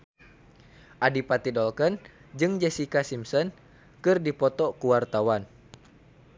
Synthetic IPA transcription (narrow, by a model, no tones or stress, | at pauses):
ʔadipat̪idɔlkənd͡ʒɨŋd͡ʒɛsikasimsɔn | kɨrdipɔt̪ɔkuwart̪awan